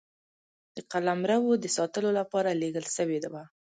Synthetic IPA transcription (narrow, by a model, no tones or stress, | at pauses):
d̪̥əqalamɾawod̪əsɑt̪əlolapɑɾaleɡəlʃəwed̪aba